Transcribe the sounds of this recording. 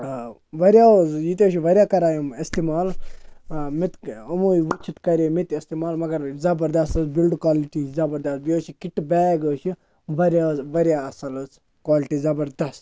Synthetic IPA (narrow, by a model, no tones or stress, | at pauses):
ʋɐɾʲjaozjit̪eʃiʋɐɾjaːkɐɾaːjumist̪imaːl | mit̪ɐmujʋut͡ʃʰit̪kɐɾʲemit̪ist̪imaːlmɐɡɐɾzɐbɐɾd̪ɐst̪ɨsbilɖkwaːliʈizɐbɐɾd̪ɐs̚bijoʃikiʈbɛːɡəʃi | ʋɐɾʲjazʋɐɾʲjaːɐsɐlɨs | kwaːliʈiːzɐbɐɾd̪ɐs